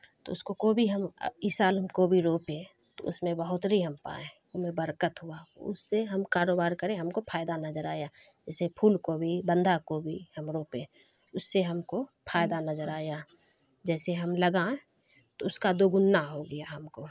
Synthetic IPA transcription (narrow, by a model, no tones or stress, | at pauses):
t̪o̰ʊskokoːbʱiɦəmiːsaːlmkobʱiɾoːpẽ | t̪o̰ʊsmẽbəɦʊt̪ɾiɦəmpa̰ːẽ | omẽbəɾkət̪ɦʊaʊ̰sːeɦəmkaːɾoːbaːɾkəɾẽɦɐmkopʰaːjd̪anɐzəɾaːjad͡ʒɛːsepʰuːlkobʱibə̃nd̪ʱakobʱihəmɾoːpẽː | ʊsːeɦɐmkopʰaːjɪd̪anəzəɾaːja | d͡ʒɛːseɦɐmləɡãːe | t̪oʊskad̪oːɡʊnːaɦoɡəjaɦɐmko